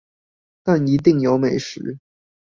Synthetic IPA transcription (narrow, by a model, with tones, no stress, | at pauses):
t̪a˥˩ni˧˥t̪̬i˥˩ŋjo˧˥ʊme˨˩ɪʂɻ̩˧˥